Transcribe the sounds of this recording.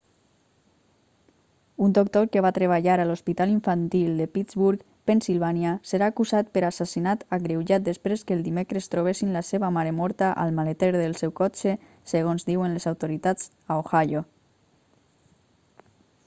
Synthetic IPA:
und̪ok̚t̪okəβat̪ɾeβ̞aʎaɾalospit̪aliɱfant̪ilˠd̪əpizβuɾk | pensilβ̞anjasəɾaːkuzat̪̚pəɾasasinat̪aɣɾewʒat̪̚d̪espɾeskəːlˠd̪imekɾəst̪ɾoβ̞esinlaseβamaɾemɔɾt̪aʔa̰lˠmalet̪eɾðəlˠsɛwkɔt͡ʃe | seɣ̞onzd̪iwənlezawt̪oɾit̪ad͡z | aoxaʎo

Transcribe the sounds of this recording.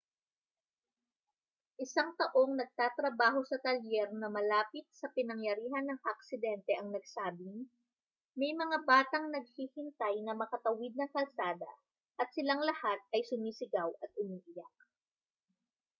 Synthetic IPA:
ʔɪsaŋt̪ɐʔo̞ŋnɐɡ̚t̪aːt̪ɾɐbaːɦo̞sɐt̪ɐljɛɾnɐmɐlaːpɪt̪̚sɐpɪnɐŋjɐɾiːɦɐnːɐŋɐk̚sɪd̪ɛnt̪ɛʔɐŋnɐɡ̚saːbɪŋ | mɛjmɐŋabaːt̪ɐŋnɐɡ̚hiːhɪnt̪ajnɐmɐkɐt̪ɐwɪd̪̚nɐŋkɐlsaːd̪ɐ̰ | ʔɐt̪̚sɪlaŋlɐhat̪̚ɐjsʊmiːsɪɡawʔɐt̪̚ʔʊmiːʔɪjak̚

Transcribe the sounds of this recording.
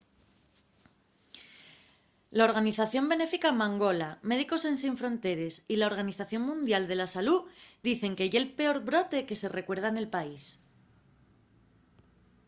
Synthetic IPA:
lao̞ɾɣ̞aniθaθjo̞mbe̞ne̞fikamãŋɡo̞lame̞ðiko̞se̞ns̬iɱfɾõ̞nt̪e̞ɾe̞silao̞ɾɣ̞aniθaθjo̞ŋmũnd̪jald̪e̞lasalud̪iθe̞ŋkeʝelpe̞o̞ɾβɾo̞t̪e̞ke̞se̞re̞kwe̞ɾð̞ane̞lpais

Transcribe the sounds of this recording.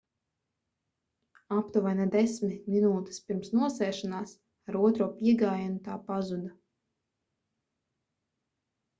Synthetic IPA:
apt̪uvajnad̪ɛsmʲiminuːt̪ɛ̥spʲiɾmsnuɔsɛːʃanaːs | aɾuɔt̪ɾuɔpiɛɡaːjanut̪aːpazud̪a

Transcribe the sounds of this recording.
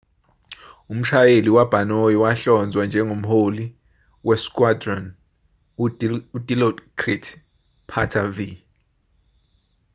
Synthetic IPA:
um̩ʃajeliwab̥ʱanojɔwaɬɔnd͡zʱwand͡ʒʱɛŋom̩holi | wɛskʼwadrɔn | udʱʼilɔdkʰritʰ | pʰatʰavi

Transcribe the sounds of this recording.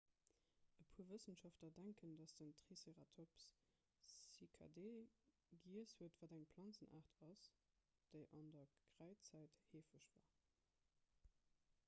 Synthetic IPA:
əpʰuːɐvəsənʃɑftlɐdæŋkʰəndɑsd̥əntʁiseʁatʰops | ikʰa̰deː | ɡiəshuətv̥aːdæŋpʰlɑnt͡sənʔa̰ːʁtʰɑs | d̥əɪʔɑndɐɡ̥ʁæɪt͡sæɪtheːfəʃv̥a̰ː

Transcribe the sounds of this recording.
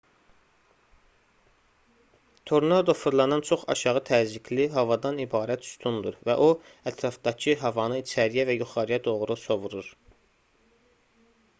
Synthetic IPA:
t̪ʰoɾnɑd̪ofuɾlˠɑnɑnt͡ʃʰo̞χɑ̰ʃɑʁɯt̪ʰæːzikʰliɦɑvɑd̪ɑnibɑːɾæt̪ʰu̥st̪ʰund̪uɾvæ̰ʔo | æt̪ʰɾɑfd̪ɑcʰɯɦɑvɑnɯit͡ʃʰæɾijævæjuχɑɾɯjɑd̪o̞ʁɾuso̞vuɾuɾ

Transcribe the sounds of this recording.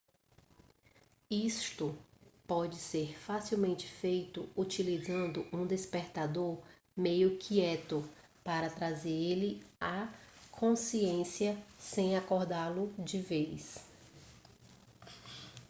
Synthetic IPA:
ist̪ʊpɔd͡ʒɪseɾfasiwmẽnt͡ʃɪ̥fejt̪ʊut͡ʃilizɐ̃nd̪ʊʔũd̪espeɾt̪ad̪oɾ | mejʊkʰiɛt̪ʊ | paɾɐt̪ɾazeɾelɪakʰõsiẽsijɐsẽj̃akoɾd̪alʊd͡ʒɪvejs

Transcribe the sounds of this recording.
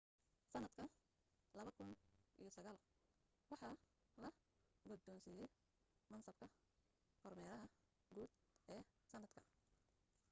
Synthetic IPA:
sɐnɐd̪kʰɐ | lɐβɐkʰʊnʔḭjɔsɐɣaːl | wɑħɑː | lɐɡɔd̪ɔːnsiːjɛj | mɐnsɐb̚kʰɐ | kʰɔrmɛːɾɐɦɐ | ɡuːd̪ | ʔɛːsɐnːɐd̪kʰɐ

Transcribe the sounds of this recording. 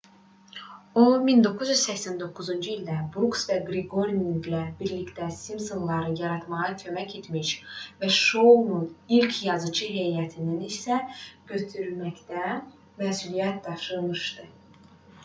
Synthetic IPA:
omind̪o̞kʰːuzjyzsæçsænd̪o̞kʰːuzund͡ʒɯild̪æbɾuksvæɡɾiɡo̞ɾniŋɡlæbiɾlict̪æsimso̞nlˠɑɾɯjɑɾɑt̪mɑʁɑcʰø̞mæcʰe̞t̪miʃvæʃownunilcʰjɑzɯt͡ʃʰɯɦe̞jæt̪ʰininisæɟ̥ø̞t̪ʰyɾylmæçt̪æ | mæːsulijæt̪̚d̪ɑfʃɯɾmɯʃd̪ɯ

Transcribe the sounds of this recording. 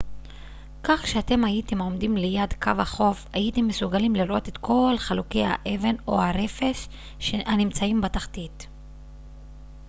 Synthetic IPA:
kaχʃeate̞majitemo̞mdimlejad̪kʰavhaχo̞fajitemːesuɡalimliɾʔo̞te̞tkʰo̞lχalukejha̰ʔe̞ve̞no̰haɾe̞fe̞ʃ | ehanimt͡saimbataχtit

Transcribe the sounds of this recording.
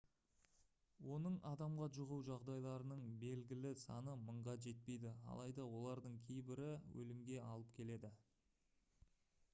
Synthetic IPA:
wo̞nəɴɑd̪ɑmʁɑʒʊʁuwʒɑʁd̪ɑjlˠɑɾənəɴbe̞lɡʲɪlɪsɑ̰nəməɴʁɑʒe̞t̪̚pe̞jd̪ɪɑ̰lˠɑjd̪ɑwo̞lˠɑɾd̪əɴkʲʰe̞jbɪɾɪwɵ̰lɪmɡʲe̞ɑlˠəp̚kʲʰe̞le̞d̪ɪ

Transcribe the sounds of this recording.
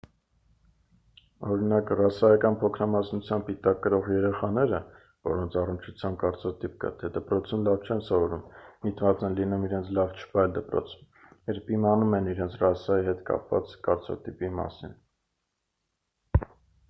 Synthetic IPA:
ɔɾinɑkrɑsɑjɑkɑnpʰɔkʰɾɑmɑsnut͡sʰjɑmb̚pit̪ɑkːəɾɔʁjɛɾɛχɑnɛɾə | vɔɾɔnt͡sʰɑrənt͡ʃʰut͡sʰjɑmb̚kɑɾt͡sʰɑt̪ip̚kɑ̰t̪ʰɛd̪əpɾɔt͡sʰunlɑvt͡ʃʰɛnsɔvɔɾummit̪vɑt͡sɛnlinumiɾɛnt͡sʰlɑvt͡ʃʰə̥vɑjld̪əpɾɔ̰t͡sʰ | jɛɾpimɑnumɛniɾɛnt͡sʰrɑsɑjiɦɛt̪kɑ̰pvɑ̰t͡skɑɾt͡sʰɑ̰t̪ipimɑ̰sin

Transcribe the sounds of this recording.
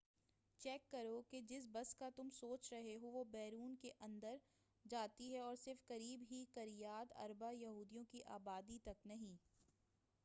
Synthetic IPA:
t͡ʃɛːkːɐɾoked͡ʒɪs̬bɐskat̪ʊmsoːt͡ʃɾɐɦeɦoʋobɛːɾuːnkeʔɐ̃nd̪əɾ | d͡ʒaːt̪iɦɛɔːɾsɪɾfkɐɾiːbɦikɐɾijaːt̪ɐ̰ɾbajɐɦuːd̪ijõkiʔa̰ːbaːd̪it̪ɐknɐɦĩː

